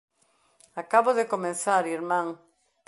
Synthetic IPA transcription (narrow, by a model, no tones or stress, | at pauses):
akaβoðekomẽθaɾiɾmãŋ